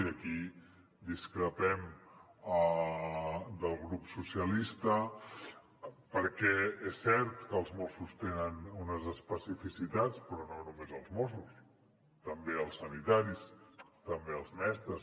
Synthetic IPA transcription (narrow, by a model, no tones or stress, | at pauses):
əki | d̪iskɾəpɛm | ə | d̪əlˠɣɾupsusiəlist̪ə | pəɾkɛesːɛɾt̪kəːlˠzmosust̪enənunəzəspəsifisit̪at͡spɾɔnonumezəlˠzmosus | t̪əmbeəlˠsənit̪aɾist̪əmbeəlˠzmɛst̪ɾəs